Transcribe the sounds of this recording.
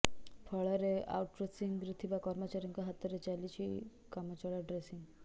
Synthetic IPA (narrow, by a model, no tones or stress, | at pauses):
pʰəɭəɾea̰wʈ̚ːɾesiŋɡɡɾit̪ʰiʋakɔɾmət͡ɕaɾjuŋkaɦat̪ːəɾet͡ʃalit͡ɕi | kamat͡ɕɔɭaɖɾesiŋɡ